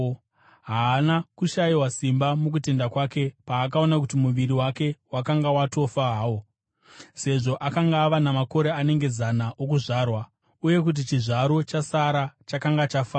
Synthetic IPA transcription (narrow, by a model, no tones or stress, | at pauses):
ɦaːnakuʃajiwasimbamuk̬ute̞ndakwake̞paːkao̞nakutimuʋiɾiwake̞wakaŋɡawato̞faɦawo | se̞ʐo̞ʔakaŋɡaːʋanamako̞ɾe̞ane̞ŋɡe̞zanaʔokuʐaːrwa | uje̞kut̬it͡ʃiʐaɾo̞t͡ʃasaɾat͡ʃakaŋɡat͡ʃafaː